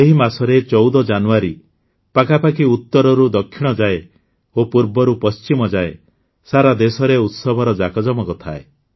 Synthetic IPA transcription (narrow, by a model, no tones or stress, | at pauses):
eɦimasɔɾet͡ʃɔwd̪ɔd͡ʒanuaɾi | pakʰapakiut̪ːɔɾɔɾud̪ɔkʰːiɽ̃ɔd͡ʒae | opuɾbɔɾupɔst͡ʃimɔd͡ʒae | saɾad̪esɔɾeut̪sɔbʱɔɾɔd͡ʒakɔd͡ʒɔmɔkɔt̪ʰae